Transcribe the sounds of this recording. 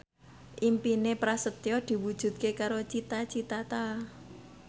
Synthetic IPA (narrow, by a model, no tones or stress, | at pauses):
ʔimpinepɾasət̪jɔd̪̥i̤wud̥ʒ̥ṳt̪̚kekaɾot͡ʃit̪at͡ʃit̪at̪a